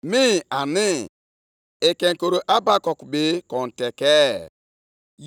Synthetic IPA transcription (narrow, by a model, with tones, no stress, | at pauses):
mi˦a˨nɪ˦ | e˨ke˨ŋ̩˨ko˨ɾo˨ʔa˦ba˦kɔ˨ku˨be˨˦kɔ˨n̩˨tɛ˨kɛ˦ | j